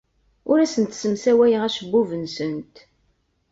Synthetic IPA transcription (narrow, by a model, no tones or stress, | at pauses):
ʊɾæsənt̪səmsæwæjəæʃəbːuvənsənt̪